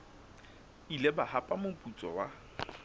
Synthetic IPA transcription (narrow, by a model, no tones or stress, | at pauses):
ilebahapʼamʊpʼut͡sʼɔwa